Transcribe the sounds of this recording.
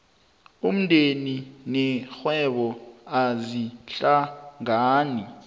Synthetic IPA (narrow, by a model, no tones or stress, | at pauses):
um̩ndʱeninɛxwɛɓɔaziɬaŋaːni